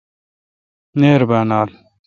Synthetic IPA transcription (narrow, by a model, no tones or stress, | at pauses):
neːɾbaːnaːl